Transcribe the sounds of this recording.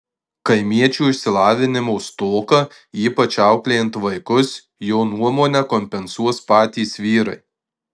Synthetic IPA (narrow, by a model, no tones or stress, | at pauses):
kɐɪmʲiɛt͡ʃʲuːɪʃʲsʲɪlˠɑːʋʲɪnʲɪmoːst̪oːkɐ | iːpɐt͡ʃʲɑˑʊklʲejɛnt̪ʋɐɪkʊs | jɛʊnuɔmoːnʲɛkɔmʲpʲɛnsuɔspɑːt̪ʲiːsʋʲiːɾɐ̰ɪ